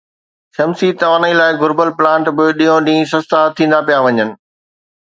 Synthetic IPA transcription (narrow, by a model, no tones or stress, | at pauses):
sɐmsit̪ɐʋaːnəilaːɪɡʊɾbəlplãːɳʈbɪɗĩːõɗĩːsɐst̪at̪ʰːĩːnd̪apijaʋɐɲənɪ̆